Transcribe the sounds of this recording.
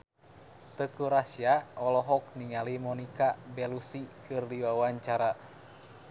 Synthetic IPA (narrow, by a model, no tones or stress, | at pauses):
t̪əkuɾasiaɔlɔɦɔk̚niŋalimɔnikabɛlusikɨrdiwawaɲt͡ʃaɾa